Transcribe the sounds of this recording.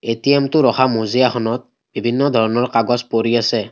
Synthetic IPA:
etijɛmtʊɹɔxʰamozijaxʰɔnɔt̚ | b̥ibʱinːɔd̪ʱɔɹɔnɔɹkaɡɔspoɹiasɛ

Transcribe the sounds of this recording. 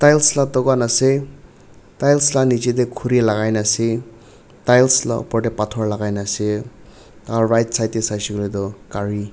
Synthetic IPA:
tajlslat̪ɔɡanase | tajlslanid͡ʒid̪ekʰuɾilaɡajnase | tajlsla̰pɔʈepatʰɔɾlaɡajnase | aɾajtsajtesajsiklid̪ɔkaɾi

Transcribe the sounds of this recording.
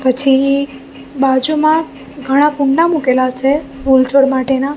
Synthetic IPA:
pət͡ʃʰi | bad͡ʒumã | ɡʱəɽ̃akũɳɖamukelat͡ʃʰemult͡ʃʰoɽmaʈena

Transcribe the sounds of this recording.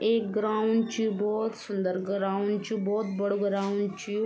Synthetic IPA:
eːk̚ɡɾaːʊɳɖt͡ʃijubɔːt̪sʊnd̪əɾɡɾaːʊɳɖt͡ʃubɔːt̪bəɽoɡɾaːʊɳɖt͡ʃiju

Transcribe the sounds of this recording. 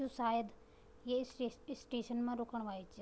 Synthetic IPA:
usaːjəd̪ | jesɪsːʈeːʃənmãɾoːkəɽ̃ʋaːit͡ʃ

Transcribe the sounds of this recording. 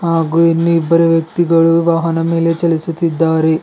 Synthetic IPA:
haːɡuːinːiibːɐɾeʋjɐk̚t̪iɡɐɭuʋaːɦɐnɐme̞ːle̞t͡ʃɐlisut̪id̪ːaːɾe

